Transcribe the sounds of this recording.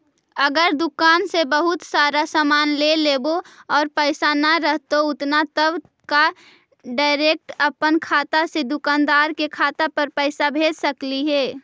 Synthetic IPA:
əɡəɾd̪ʊkaːnsebəɦʊt̪saːɾasamaːnleleːboɔːɾpəɪsanaɾəɦt̪oʊt̪nat̪əb | ka | ɖaːɪɾeːk̚ʈəpənkʰaːt̪ased̪ʊkaːnd̪aːɾkekʰaːt̪apəɾpəɪsabʱeːd͡ʒsəkliɦɛː

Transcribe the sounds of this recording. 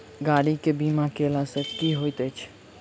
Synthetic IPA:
ɡaɽikebimakelasə̃kiɦojt̪ət͡ʃʰ

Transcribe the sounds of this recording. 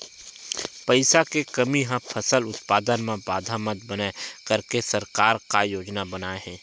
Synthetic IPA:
pəɪsakekɐmiɦãpʰɐsəlʊt̪paːd̪ənmẽbaːd̪ʱaməd̪̚bənakɐɾkesɐɾkaːɾkajoːd͡ʒnabɐnaːeɦɛ̃ː

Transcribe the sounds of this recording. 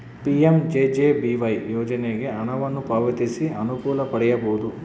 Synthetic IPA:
piemd͡ʒeːd͡ʒeːbiʋɐjjɔːd͡ʒɐneɡe̞ɐɳɐʋɐnːupaːʋɐt̪isiɐnukuːlɐpɐɽɛjɐboud̪u

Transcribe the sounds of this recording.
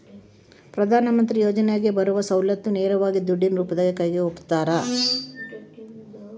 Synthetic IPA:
pɾɐd̪ʱaːnɐmɐnt̪ɾijoːd͡ʒɐnɛjaːɡebɐɾuʋɐsɐwlɐt̪ːuneːɾɐʋaːɡid̪uɖːinɾuːpɐd̪ɐɡekɐjɡeopt̪ːaːɾɐ

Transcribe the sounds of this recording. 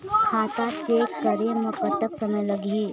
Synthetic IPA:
kʰaːt̪at͡ʃeːkːɐɾemʊkət̪ːəksɐməjlɐɡiː

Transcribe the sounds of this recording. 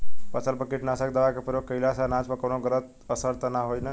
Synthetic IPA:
pət͡ʃəlpəkeʈnasək̚d̪aʋakepəɾjokəjlasanãt͡ʃpəkəwnoɡəɾət̪̚ | əsəɾt̪ənaɦojnə

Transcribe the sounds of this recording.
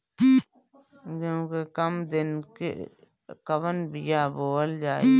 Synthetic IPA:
kõːkekəmd̪ɪnkḛ | kəʋənbɪjaboːəld͡ʒaːe

